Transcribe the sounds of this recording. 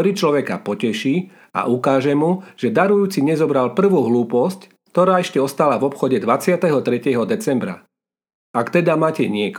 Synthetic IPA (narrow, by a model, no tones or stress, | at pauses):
ɾit͡ʃlɔʋɛka̰pɔcɛʃiː | a̰ʔukaːʒɛmuʒ̥ɛd̪aɾujuːt͡siɲɛzɔbɾalpr̩ʋuːɦluːpɔsc | kt̪ɔɾaːɛʃcɛɔst̪alavɔpxɔɟɛd̪ʋat͡sɪat̪ɛɦɔt̪ɾɛcɛɦɔd̪ɛt͡sɛmbɾa̰ | akt̪ɛd̪amaːcɛɲɪɛk